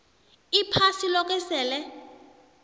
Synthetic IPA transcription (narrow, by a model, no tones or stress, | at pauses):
ipʰasilɔk̬ʼɛsɛːlɛ